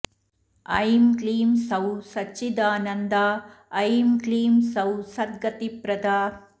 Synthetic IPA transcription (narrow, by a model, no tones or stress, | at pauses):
ɐ̰jmkliːmsɐwsɐt͡ʃt͡ʃːid̪aːnɐnd̪aːɐjmɡliːmsɐwsɐd̪̚ɡɐt̪ipɾɐd̪aː